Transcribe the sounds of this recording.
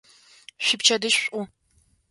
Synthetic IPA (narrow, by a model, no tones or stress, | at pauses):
ɕɪpt͡ʃʰɐdɨɕɕʷʼʊ